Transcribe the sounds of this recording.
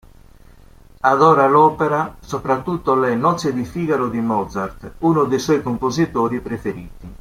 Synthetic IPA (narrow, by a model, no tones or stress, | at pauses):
aðɔːɾalɔːpeɾasopɾat̪ːut̪ːolɛnɔt̪sːed̪ifiːɡaɾod̪imɔd̪zaɾt̪uːnʊd̪eswɔjkompozit̪oːɾipɾefeɾiːt̪i